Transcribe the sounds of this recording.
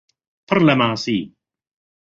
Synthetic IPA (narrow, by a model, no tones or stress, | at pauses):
pʰərlɛmaːsiː